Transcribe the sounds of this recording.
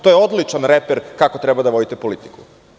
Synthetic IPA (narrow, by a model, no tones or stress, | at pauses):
t̪o̞jeo̞d̪lit͡ʃanɾepeɾkako̞t̪ɾebad̪aʋo̞d̪it̪epo̞lit̪i̥kʰu